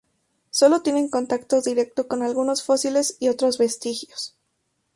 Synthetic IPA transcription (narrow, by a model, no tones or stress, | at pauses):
so̞lo̞t̪je̞ne̞ŋko̞nt̪akt̪o̞ðiɾe̞k̚t̪o̞ko̞nalɣuno̞sfo̞sile̞siot̪ɾo̞zβe̞st̪ixjo̞s